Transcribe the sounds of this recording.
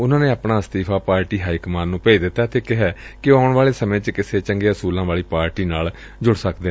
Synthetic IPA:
ʊnãːnẽːaːpɳaːst̪iːpʰaːpaːɾʈiːɦaːikəmaːnːũːpeːid̪ɪt̪ːaːt̪eːkɪɦɛːkɪaːʊɳʋaːleːsəmẽːt͡ʃkɪseːt͡ʃəŋɡeɦəsuːlãːʋaːɭiːpaːɾʈiːnaːl | d͡ʒʊɽsəkd̪e

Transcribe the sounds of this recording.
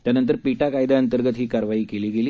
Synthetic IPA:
t̪janənt̪əɾpiʈakajd̪aənt̪əɾɡət̪ɦiːkaɾʋaiːkeliːɡeliː

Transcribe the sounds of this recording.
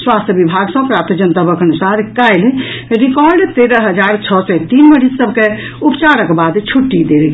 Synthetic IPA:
swast̪ʰjəbibʱaɡsə̃pɾapt̪ʰəd͡ʒənt̪abəkənusaɾkajlɾikɔɾɖt̪eɾəɦəd͡ʒaɾt͡ʃʰɔsɔt̪inməɽissəbke | upt͡ʃaɾəkbad̪t͡ʃʰuʈːid̪el

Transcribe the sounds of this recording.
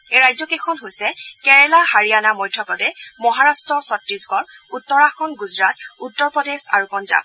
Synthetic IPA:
eɹajzɔkekʰɔnɦojsɛkɛɹɛlahaɹijanamɔjdʰʱɔpɔdɛmɔɦaɹastɹɔsɔtɹisɡɔɹutːɔɹaxɔnɡuzɹatutːɔɹpɹɔdesa̰ɹupɔnza̰b̚

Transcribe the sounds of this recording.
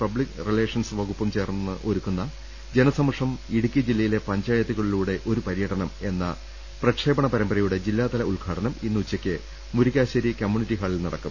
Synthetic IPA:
pɐblikrile̞ːʂɐnsɨʋɐɣupːɐmt͡ɕe̞ːrɨʔoɾukːunːɐ | d͡ʑe̞nɐsɐmɐʂɐmiɽukʲːid͡ʑilːɐjile̞pɐɲd͡ʑaːjɐt̪ːuɣɐɭiluːɽe̞ʔo̞ɾupɐɾijɐʈɐnɐme̞nːɐ̰ | prɐkʂe̞ːbɐɳɐpɐɾɐmbɐɾɐjuɽe̞d͡ʑilːaːt̪ɐlɐuɭɡʱaːɽɐnɐminːuut͡ɕːɐkʲːɨ | muɾuɣʲaːɕɐɾikɐmjuniʈːiɦaːɭilnɐɽɐkːum

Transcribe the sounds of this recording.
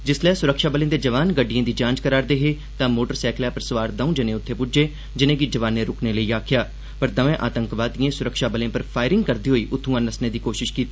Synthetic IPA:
d͡ʒɪslɛːsʊɾəkʃaːbəlẽːd̪eːd͡ʒəʋaːnɡəɖɪjãːd̪iːd͡ʒãːɲd͡ʒkəɾaːɾd̪eːɦeː | t̪ãːmoːʈəɾsɛːkljaːpəɾsəʋaːɾd̪aũːd͡ʒɪnẽːʊt̪ʰːeːpʊd͡ʒeː | d͡ʒɪnẽːɡid͡ʒəʋaːnːẽːɾʊkʰneːləiːaːkʰɪjaː | pəɾd̪əʋẽːʔa̰ːt̪ə̃ŋkʋaːt̪iẽːsʊɾəkʃaːbəlẽːpəɾpʰaːɪɾɪ̃ŋɡkəɾd̪iːɦoːiːʔʊt̪ʰːũːãːnəsnẽːd̪iːkoːʃɪʃkiːt̪ː

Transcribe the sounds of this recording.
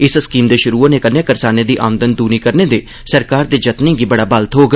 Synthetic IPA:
ɪsskiːmd̪eːʃʊɾuːoneːkənːeːkəɾsaːneːd̪iːʔa̰ːmənd̪ənd̪uːniːkəɾneːd̪eː | səɾkaːɾd̪eːd͡ʒət̪nẽːɡiːbəɽaːbəlt̪ɦoːɡ

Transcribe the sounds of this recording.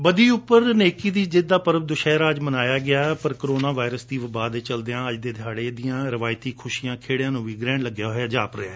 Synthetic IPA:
bəd̪iːʊpːəɾneːkiːd̪iːd͡ʒɪd̪aːpəɾəb̚d̪ʊʃɛːɾaːd͡ʒmənaːjaːɡɪaːpəɾkɾoːnaːʋaːɪɾəsd̪iːʋəbaːd̪eːt͡ʃəld̪eãːəd͡ʒd̪eːd̪ʱjaːɽeːd̪ɪjãːɾɪʋaːɪt̪iːkʰʊʃiːjãːkʰeːɽɪjãːnũːʋiːɡɾɛ̃ːɳləɡjaːɦojaːd͡ʒaːpɾḛaː

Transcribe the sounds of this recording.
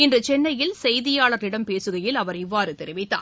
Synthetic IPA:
ɪndrɯt͡ʃɛnːɐjɪlsɛjðɪjaːɭɐɾɪɽɐmpeːsɯɣɐjɪlɐʋɐɾɪʋːaːɾɯt̪ɛɾɪʋɪt̪ːa̰ː

